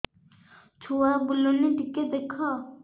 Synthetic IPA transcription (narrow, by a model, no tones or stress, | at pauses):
t͡ʃʰoːaːbʊloneʈɪked̪eːkʰaː